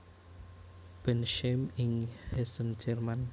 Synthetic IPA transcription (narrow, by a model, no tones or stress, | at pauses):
b̥ɛnʃemiŋhesənd͡ʒɛrman